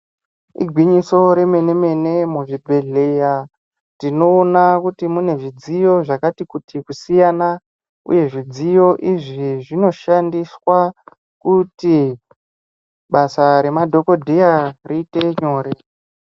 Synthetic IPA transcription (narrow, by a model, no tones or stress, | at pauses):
ḭɡʱwiɲiso̞ɾe̞me̞ne̞me̞ne̞muʐibʱe̞ɮe̞ja | tino̞ːnakutimune̞ʐid͡zijo̞ʐakatikutikusijana | ṵje̞ʐid͡zijo̞ʔiʐiʐino̞ʃandiswa | kuti | ɓasaɾe̞madʱo̞ko̞dʱijariːte̞ɲo̞ːɾe